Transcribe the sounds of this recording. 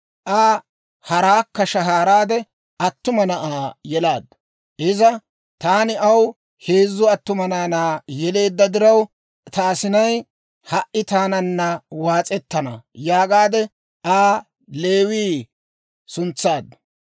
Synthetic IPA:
ʔaː | hɐɾaːkːɐʃɐɦaːɾaːd̪ɛ | ɐt̪ːʊmɐnɐʔaːjɛlaːd̪ːɐ | ʔɪzɐ | t̪aːnɪɐw | he̞ːzːʊɐt̪ːʊmɐnaːnaːjɛle̞ːd̪ːɐd̪ɪɾɐw | t̪aːsɪnɐj | hɐʔɪt̪aːnɐnːɐwaːt͡sʼɛt̪ːɐnɐ̰jaːɡaːd̪ɛ | ʔaː | le̞ːwiː | sʊnt͡sːaːd̪ːɐ̥

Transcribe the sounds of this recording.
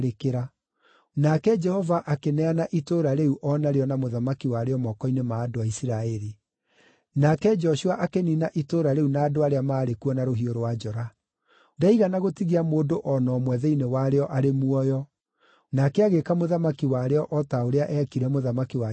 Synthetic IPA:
ɾekeɾa | nakɛd͡ʒɛhɔvaʔakenɛanaʔitoɾaɾeuʔɔnaɾeɔnamoðamakiwaɾeɔmɔkɔinemaːdoaisiɾaɛɾi | nakɛd͡ʒɔʃuaʔakeninaʔitoːɾaɾeunaːdoaɾeamaːɾekuɔnaɾoɦioɾowad͡ʒɔɾa | daiɣanaɣotiɣamoːdoʔɔnɔːmwɛðɛinewaɾeɔʔaɾemuɔjɔ | nakɛaɣekamoðamakiwaɾeɔʔɔtaoɾeaʔɛkiɾɛmoðamakiwa

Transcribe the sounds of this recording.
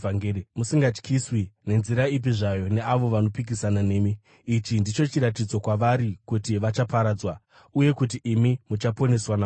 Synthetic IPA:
aŋɡeɾmusiŋɡat͡ʃkʰiswine̞nziɾaip̬iʐajo̞ne̞aʋo̞ʋano̞pikisanane̞ːmiː | t͡ʃindit͡ʃo̞t͡ʃiɾatid͡zokwaʋaɾikutiʋat͡ʃapaɾaːd͡zwa | uje̞kut̬iʔimimut͡ʃapo̞ne̞swana

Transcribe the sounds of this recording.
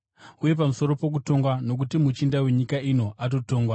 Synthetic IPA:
uje̞p̬amuso̞ɾo̞po̞k̬uto̞ŋɡwano̞k̬utimut͡ʃindawe̞ɲikaino̞ʔato̞to̞ːŋɡwa

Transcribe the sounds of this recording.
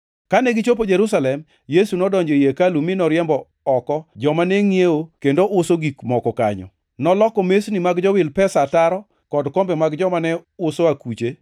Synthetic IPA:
kanɛɡɪt͡ʃop̬od͡ʒeɾusalɛm | jesunɔdɔɲd͡ʒojekalumɪnɔɾɪɛmbɔː | kɔd͡ʒɔmaneŋieokendoʔʊsoɡikmɔkɔka̰ɲɔ̰ | nɔlɔkɔmesnimaɡd͡ʒɔwɪlpɛsataɾɔ | kɔdkɔmbɛmaɡd͡ʒɔmanɛʊsoakut͡ʃe

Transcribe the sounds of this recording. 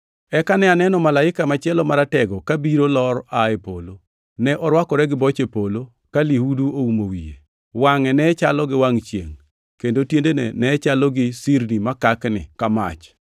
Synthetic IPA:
ɛkanɛanɛnɔmalaɪkamat͡ʃɪɛlɔmaɾatɛɡɔkabiɾolɔɾaepolo | nɛʔɔɾwakɔɾɛɡɪbɔt͡ʃepolo | kalihuduoumowijḛ | waŋɛnɛt͡ʃalɔɡɪwaŋt͡ʃjḛŋ | kendotjendenɛ̰nɛt͡ʃalɔɡɪsiɾnimakaknɪ̰kama̰t͡ʃ

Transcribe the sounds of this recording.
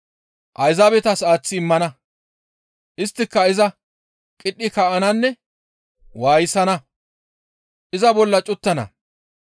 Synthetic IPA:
ʔɐjzabɛt̪ɐsaːt͡sːɪːmːɐnɐ | ʔɪst̪ːɪkːɐɪzɐ | kʼɪɗːɪkɐʔɐnɐnːɛ | waːjɪsɐnɐ | ʔɪzɐbɔlːɐt͡ʃʼʊt̪ːɐnɐ̰

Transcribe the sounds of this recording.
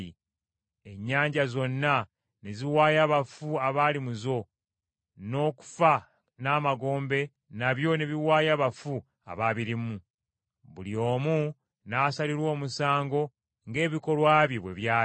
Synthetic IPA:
i | e̞ɲːaːɲɟazo̞nːa | neziwaːjaβafuaβalimuzo̞ | no̞ːku̥fa | naːmaɡo̞ːmbe̞ | naβjo̞neβiwaːjaβafu | a̰βaβiɾimu | βulio̞ːmu | naːsaliɾwo̞ːmusaːŋɡo̞ | ŋɡe̞ːβiko̞lwaːβjiβwe̞̰βjaː

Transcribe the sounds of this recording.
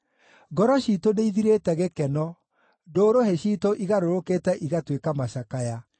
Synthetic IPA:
ɡɔɾɔɕitoneiðiɾetɛɣekɛnɔ | doːɾoɦeɕiːtoʔiɣaɾoɾoketɛʔiɣatwekamaɕakaja

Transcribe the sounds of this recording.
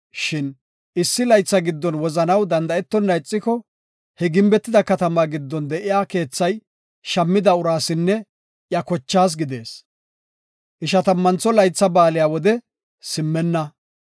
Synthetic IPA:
ʃɪn | ɪsːɪlɐjt͡sːɐɡɪd̪ːɔnwɔzɐnɐwd̪ɐnd̪ɐɛt̪ːɔnːɐjt͡sʼːɪkɔ | hɛɡɪmbɛt̪ːɪd̪ɐkɐt̪ɐmaɡɪd̪ːɔnd̪ɛʔɪjaːke̞ːt͡sːɐj | ʃɐmːɪd̪ɐʊɾaːsɪnːɛ | ʔjɐkɔt͡ʃːaːs̬ɡɪd̪e̞ːs | ʔɪʃɐt̪ɐmːɐnt͡sːɔlɐjt͡sːɐbaːlɪjaːwɔd̪ɛ | sɪmːɛnːɐ

